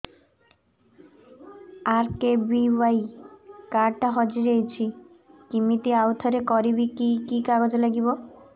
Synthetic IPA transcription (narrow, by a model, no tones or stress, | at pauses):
aɾkebiwajkaɾʈaɦɔd͡ʑiɾejt͡ɕʰi | kimit̪iawt̪ʰɔɾekɔɾibikikikaɡod͡ʑelaɡibo